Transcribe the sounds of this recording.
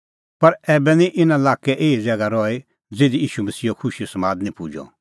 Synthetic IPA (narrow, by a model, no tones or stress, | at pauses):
pɐɾɛːbɛnĩʔɪnãlaːkɛʔeːid͡zɛɡaɾɔe | d͡zeːd̪ijiːʃumɐsiːɔkʰʊʃiɔsɐmãːd̪nĩpuːd͡ʒɔ̰